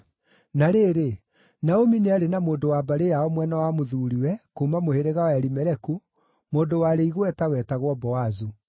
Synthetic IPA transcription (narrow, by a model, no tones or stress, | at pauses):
naɾeːɾe | naomineaɾenamoːndowabaɾejaɔmwɛnawamoðuːɾiwɛkomamoheɾeɣawɛɾimɛɾɛku | moːndowaɾeiɣwɛtawɛtaɣwɔbɔwazu